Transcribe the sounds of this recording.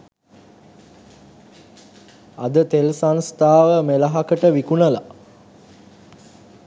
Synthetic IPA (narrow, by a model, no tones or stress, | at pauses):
ad̪ət̪elsanst̪aːʋəmeləɦakəʈəʋikunəla̰